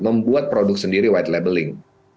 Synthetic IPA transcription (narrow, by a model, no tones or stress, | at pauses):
məmbuat̪̚pɾodʊk̚səndiɾiwajt̪̚lebəlɪŋ